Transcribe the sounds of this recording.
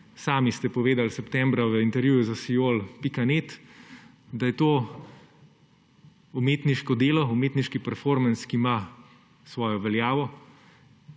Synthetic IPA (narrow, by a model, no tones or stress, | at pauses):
saːmist̪ɛpɔʋeːd̪alsɛpt̪ɛːmbɾaʋəint̪ɛɾjuːjuzasijoːlpikaneːt̪ | d̪ajɛt̪oː | umeːt̪niʃkɔd̪eːlɔumeːt̪niʃkipɛɾfoɾmanskima | sʋɔːjɔʋɛljaːʋɔ